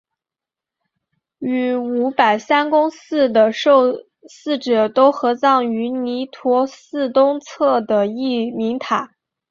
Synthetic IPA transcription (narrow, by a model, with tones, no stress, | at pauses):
y˧˥˩u˧˥pa˨˩ɪsa˥nkʊ˥ŋsɹ̩˥˩d̪ə˩ʂo˥˧ʊ | sɹ̩˥˩ʈ͡ʂɤ˨˩t̪o˥ʊxɤ˧˥t͡sɑ˥˩ŋy˧˥ni˧˥t̪ʰwɔ˧˥sɹ̩˥˧t̪ʊ˥ŋt͡sʰɤ˥˩d̪ə˩i˥˩mi˧˥ŋt̪ʰa˨˩˦